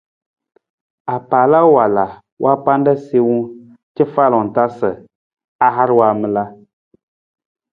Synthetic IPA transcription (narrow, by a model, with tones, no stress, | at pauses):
a˨paː˨la˦wa˨la˨ | wʔa˦pa˦n˦da˦se˦wu˦ | t͡ʃɛ˦fa˦˨lɔ˨ŋ̩˨ta˦sə˨ | a˦ɦa˦ɾwa˨mɨ˦la˦